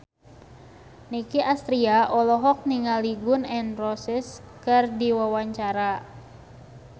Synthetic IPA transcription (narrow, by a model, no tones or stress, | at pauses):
nikiʔast̪ɾiaʔɔlɔɦɔk̚niŋaliɡʊnɛnrɔsɪs | kɨrdiwawaɲt͡ʃaɾa